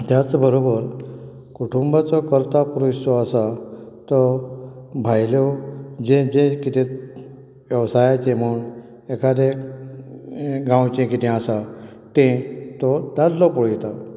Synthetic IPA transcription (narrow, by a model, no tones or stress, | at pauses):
t̪jat͡sbəɾobəɾ | kuʈʰumbat͡sɔkəɾt̪apuɾusɔasat̪ɔ | bʱajlod͡ʑẽd͡ʑẽkit̪ẽ | ʋjəʋsajat͡ɕẽm̤əun | ekʰad̪e | ɡãwt͡ɕẽkit̪ʰẽasa | t̪ẽt̪ɔɖadlɔpɔɭjɛt̪a